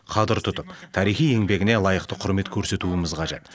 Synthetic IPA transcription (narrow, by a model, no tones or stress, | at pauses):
qʰɑd̪əɾt̪ʰʊt̪əp̚t̪ʰɑɾijχije̞ŋbe̞ɡʲɪnelˠɑjəqt̪əqʰʊɾme̞t̪kʲʰɵɾse̞t̪uɪmɪzqʰɑʒe̞t̪